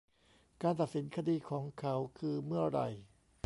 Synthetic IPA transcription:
kaː˧nt̪a˨t̪̚si˩˦nkʰa˧diː˧kʰɔː˩˦ŋkʰa˦˥wkʰɯː˧mɯ˥˩ɐɾa̰˧˩j

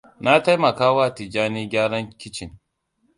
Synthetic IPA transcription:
na˦ta˦jmɐ˨kaː˦waː˦ti˨d͡ʒaː˦niː˦ɡʲaː˦ɽɐ˦ŋkʲɪ˦t͡ʃɪ˨ŋ

